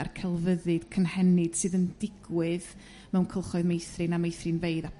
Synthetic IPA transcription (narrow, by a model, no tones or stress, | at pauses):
rkʰɛlˠvəðɨd̥kʰənhɛnɨd̥sɨːðəndɪɡwɨð | mɛwnkʰəlˠχɔɨðmejθrɨnamejθrɨnveɨða